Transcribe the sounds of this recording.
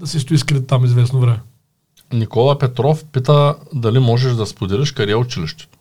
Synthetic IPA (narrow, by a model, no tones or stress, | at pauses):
d̪ɐsist̪ʊiskɾit̪ːamizvɛsnovɾɛmɛ | nikɔlˠɐpɛt̪ɾɔfpit̪əd̪ɐlimɔʒɛʃd̪ɐspod̪iɾɛʃkɐɾaʊt͡ʃiliʃt̪ɛ̥ʊ